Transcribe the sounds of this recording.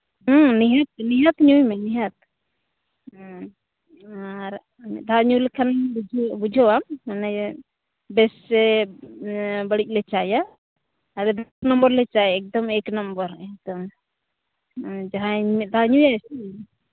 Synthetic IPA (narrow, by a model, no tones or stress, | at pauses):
niɦat̪̚niɦat̪ɲujmɛniɦat̪̚ | aɾ | mɛ̰d̪ʱaɲulkʰanbud͡ʒʱbud͡ʒʱɔwamanɛ | bɛsɛ | bəɽic̚ˀlɛt͡ʃajaː | ɾɛd̪snɔmbəɾlɛt͡ʃajɛk̚d̪ɔmɛknambəɾɛk̚d̪ɔm | d͡ʒaɦãmɛd̪ʱaɲujasi